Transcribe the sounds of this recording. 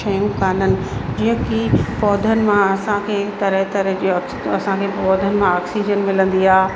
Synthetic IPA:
ɐjũkaːnənɪ̆d͡ʑiɦə̃kipɔːd̪ʱənɪ̆mãɐsãkʰeːt̪ɐɾəɦt̪ɐɾəd͡ʑi | ɐsãkʰeːɔːd̪ʱənɪ̆mãaːksiːd͡ʑənmɪlə̃nd̪iaː

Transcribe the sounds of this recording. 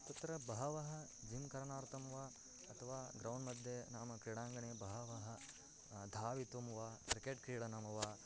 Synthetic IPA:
t̪ɐt̪ːɐɾɐbɐɦɐʋɐɦɐd͡ʒimkɐɾɐɳaːɾt̪ɐmʋaː | ɐt̪ʰɐʋaːɡɾɐwnmɐd̪ʱjenaːmɐkɾiːɽaːŋɡɐɳeːbɐɦɐʋɐɦɐ | d̪ʱaːʋit̪umʋaːkɾikeʈkɾiːɽɐnɐmɐʋaː

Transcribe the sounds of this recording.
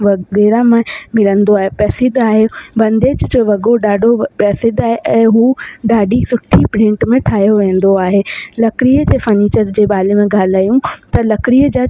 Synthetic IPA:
ʋɐɡɛːɾamẽmɪlə̃nd̪oaːɦepɛːsɪd̪aːɦebɐ̃nd̪eːd͡ʑd͡ʑoʋɐɡoɖaːɖʱopɛːsɪd̪aːɦeʔɛ̃ːɦuːɖaːɖisʊʈʰːipɾɪ̃ɳʈmẽʈʰaːɦijoʋẽːn̆d̪oaːɦelɐkɪɾiəd͡ʑeːfɐɾniːt͡ɕəɾd͡ʑeːɓaːlemẽɡaːlaːjũt̪ɐlɐkɪɾiəd͡ʑaː

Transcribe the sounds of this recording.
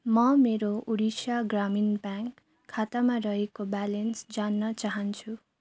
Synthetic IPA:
mʌmeɾouɽisaɡraminbaŋkʰː | at̪amarʌɦekobalensd͡zanːʌt͡saɦʌnt͡sʰu

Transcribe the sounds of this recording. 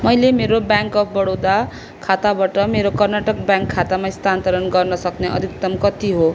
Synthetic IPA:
mʌjlemeɾobjaŋkʌpʰbʌɽowd̪a | kʰat̪abaʈʌmeɾokʌrnaʈʌk̚bjãŋkʰːat̪amaist̪ant̪ʌɾʌnɡʌrnʌsʌkneʔʌ̰d̪ʱikt̪ʌmkʌt̪iɦo

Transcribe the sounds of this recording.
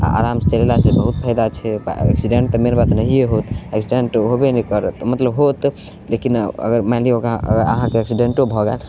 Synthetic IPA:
a̰a̰ɾamst͡ʃəlelasebəɦut̪̚pʰəjd̪at͡ʃʰɛb̰ɛ̰ksiɖẽɳʈt̪ɔmeɾbat̪nəɦijeɦot̪ɛksiɖeɳʈɦobenikəɾət̪mət̪ləbɦot̪ | lekinə̰ɡəɾmaliokəəɾə̰ɦãkeɛksiɖeɳʈobʱɔɡḛl

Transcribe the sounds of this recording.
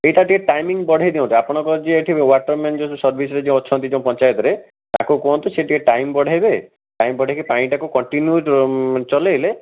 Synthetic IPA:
eiʈaʈikeʈajmiŋbɔɽ̤ajd̪iõnt̪iapɔɽ̃ɔ̃kɔd͡ʒeːʈʰibewaʈɔɾmend͡ʒɔsusɔɾbʱisɔɾed͡ʒẽɔt͡ʃʰɔnt̪id͡ʒẽpɔnt͡ʃajɔt̪ɔɾe | t̪a̰kukɔõnt̪iseʈikeʈajmbɔɽ̤ʱajbe | ʈajmbɔɽ̤ʱajkipaɽ̃ĩʈakukɔɳʈinjut͡ʃɔlejle

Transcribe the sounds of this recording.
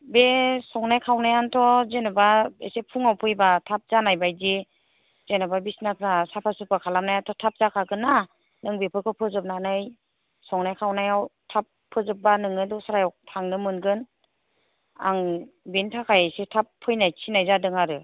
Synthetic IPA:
besɔŋnajkʰawnajantʰɔzenɯbaḛsepʰuŋawpʰɯjbatʰap̚zanajbajzi | z̥enababisnakʰasapʰasɯpakʰalamnajantʰɔtʰap̚zakʰaɡɯna | nɯŋbepʰɯkʰɯpʰɯzɯp̚nanɯj | sɔŋnajkʰawnajawtʰapʰːɯzɯp̚banɯŋɯdɔsaɾajawtʰaŋnɯmɯnɡɯn | a̰ŋbentʰakʰajasetʰapʰːɯjnajsʰinajzadɯŋaɾɯ

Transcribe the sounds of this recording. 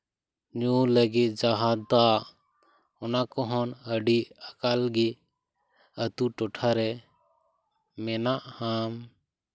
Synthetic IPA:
ɲuləɡit̪̚d͡ʒaɦad̪a | ɔnakɔɦɔnəɖiakalɡi | ət̪uʈɔʈʰaɾɛ | mɛnaʔham

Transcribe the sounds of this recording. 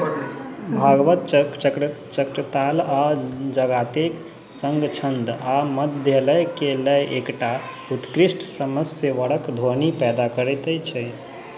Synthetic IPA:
bʱaɡʋət̪t͡ʃt͡ʃək | t͡ʃəkɾət̪alad͡ʒəɡat̪ek | səŋɡt͡ʃʰənd̪aməd̪ʱjələjkeləjʔekʈa | ut̪kɾisʈʰsəməsəʋəɽəkd̪ʱoɦnipɛd̪akəɾɛt̪əjt͡ʃʰɛ

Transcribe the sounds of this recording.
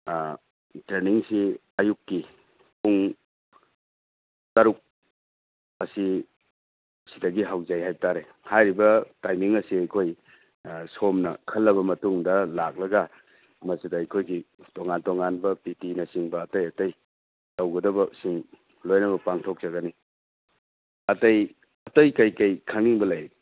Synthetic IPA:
tɾeniŋsi | ɐjukːi | puŋ | taɾuk̚ | ɐsi | sidɐɡiɦawzajɦajtaɾe | hajɾibɐtajmiŋɐsiajkʰoj | somnɐkʰɐlːɐβɐmɐtuŋdɐlak̚lɐɡɐ | mɐsidɐːjkʰojɡitoŋantoŋanbɐpitinɐsiŋbɐːtɐjɐtɐj | tɐwɡɐdɐbɐsiŋ | lojnɐbɐpaŋtʰok̚z̥ɐɡɐni | ɐtɐj | ɐtɐjkɐjkɐjkʰaŋniŋbɐlɐj

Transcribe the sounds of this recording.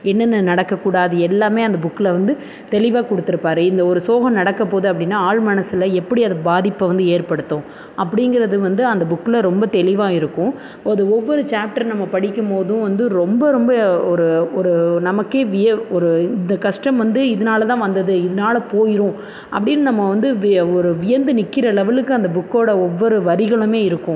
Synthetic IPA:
ɛnːɐnːɯnɐɽɐkːɐkːuːɽaːðɯɛlːaːmeːɐnd̪ɐbʊkːɪlɐʋɐnd̪ɯ | t̪ɛlɪʋaːkɔɽɯt̪ːɪɾɯpːaːɾɯɪnd̪ɐɔɾɯsoːɣɐ̃mnɐɽɐkːɐpoːðɯɐp̬ːɐɽɪnːaːaːɭmɐnɐsɪlɐɛpːɐɽiɐðɐbaːðɪpːɐʋɐnd̪ɯeːɾpɐɽɯt̪ːʊ̃ | ɐpːɐɽɪŋɡɪɾɐðɯʋɐnd̪ɯɐnd̪ɐbʊkːɪlɐɾɔmbɐt̪ɛlɪʋaːɪɾɯkːʊ̃ | ɐðɯɔʋːɔɾɯt͡ʃaːp̚ʈɐɾnɐmːɐpɐɽɪkːɯmpoːðʊ̃ʋɐnd̪ɯɾɔmbɐɾɔmbɐɔɾɯɔɾɯnɐmɐkːeːʋɪjɐɔɾɯɪnd̪ɐkɐʂʈɐmʋɐnd̪ɯɪðɐnaːlɐt̪ãːʋɐnd̪ɐðɯɪðɐnaːlɐpoːjɪɾʊ̃ | ʔɐpːɐɽɪnːɯnɐmːɐʋɐnd̪ɯɔɾɯʋɪjɐnd̪ɯnɪkːɪɾɐlɛʋɐlɯkːɯɐnd̪ɐbʊkːoːɽɐɔʋːɔɾɯʋɐɾɪɣɐɭɯmeːɪɾɯkːʊ̃

